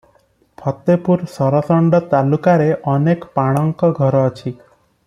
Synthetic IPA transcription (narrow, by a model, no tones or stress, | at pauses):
pʰɔt̪ːepuɾsɔɾɔsɔɳɖɔt̪alukaɾeʔɔnekpaɽ̃ɔŋkɔɡʱɔɾɔːt͡ʃʰi